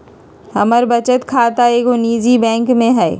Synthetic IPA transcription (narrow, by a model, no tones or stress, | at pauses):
ɦɐməɾbɐt͡ʃət̪kʰaːt̪aeːɡoniːd͡ʒibɛ̃ːŋkmẽɦɛː